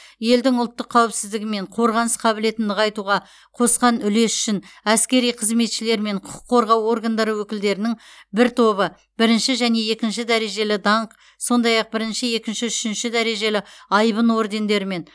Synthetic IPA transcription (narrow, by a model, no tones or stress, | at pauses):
je̞ld̪ɪŋʊlˠt̪ːəqʰːɑwɪpsɪzd̪ɪɡʲɪme̞ɴqʰo̞ɾʁɑnəsqʰɑbɪle̞t̪ɪnd̪ɪʁɑjt̪uʁɑ | qʰo̞sqɑnʏle̞sʏ̥ʃɪnæskʲe̞ɾijqʰəzme̞t̪ʃɪle̞ɾme̞ɴqʰʊqʰʊ̥qʰːo̞ɾʁɑwo̞rɡand̪ɑɾəwɵkʲɪld̪e̞ɾɪnɪŋ | bɪɾt̪ʰo̞βə | b̥ɪɾɪnʃɪʒæne̞je̞kʲɪnʃɪd̪æɾe̞ʒe̞lɪd̪ɑɴq | so̞nd̪ɑjɑq̚bɪɾɪnʃɪe̞kʲɪnʃɪʏʃɪnʃɪd̪æɾe̞ʒe̞lɪɑjbənwo̞ɾd̪e̞nd̪e̞ɾɪme̞n